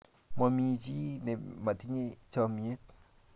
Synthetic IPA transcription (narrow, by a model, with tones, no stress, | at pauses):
ma˧mĩ˧t͡ʃi˦ne˨ma˨t̪ʰi˦ɲe˦t͡ʃɔ˧mĩ˧e˦t̪̚